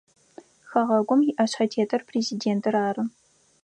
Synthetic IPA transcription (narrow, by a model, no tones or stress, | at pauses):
xɐʁɐɡʷʊmjɪʔɐɕħɐtʰeːtʰɐrpʰreːzideːntʰɨraːrɨ